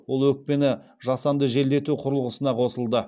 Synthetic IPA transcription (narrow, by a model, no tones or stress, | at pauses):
wolˠwɵk̚pe̞nɪ | ʒɑsɑnd̪əʒe̞ld̪e̞t̪uqʰʊɾəlˠʁəsənɑqʰo̞səlˠd̪ə